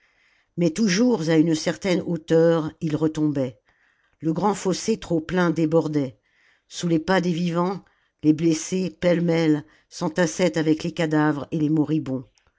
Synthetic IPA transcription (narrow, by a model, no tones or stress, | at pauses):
mɛt̪uʒuʁzaynsɛʁt̪ɛnot̪œʁilʁət̪ɔ̃bɛ | ləɡʁɑ̃foset̪χoplɛ̃d̪ebɔʁd̪ɛ | sulepad̪evivɑ̃ | leblesepɛlmɛl | sɑ̃t̪asɛt̪avɛklekad̪avʁelemɔʁibɔ̃